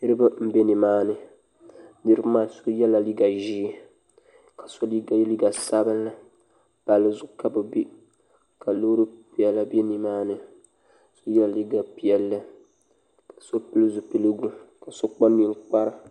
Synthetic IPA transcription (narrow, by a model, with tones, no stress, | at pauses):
nɨ˦ɾɨ˦ba˦m̩˦be˦nɨ˨maː˦nɨ˨ | nɨ˦ɾɨ˦bmaː˦˨so˦jɛ˦la˨li˦ɡa˨ʒiː˦ | ka˨so˦li˦ɡa˨˦li˦ɡa˨sa˦bɨ˦n˦la˦ | b̥a˨lɨ˦zʊ˦ɡʊ˦ka˨bɨ˨bi˦ | ka˨lo˦ɾɨ˦pi˨ɛ˨lːa˦be˦ni˨maː˦nɨ˨ | so˦jɛ˦la˨li˦ɡa˨pi˨ɛ˨lːɨ˦ | kḁ˨so˦pi˦lɨ˦zu˨pi˦lɨ˦ɡu˦ka˨so˦k͡pa˦ni˦ŋk͡pa˦ɾa˦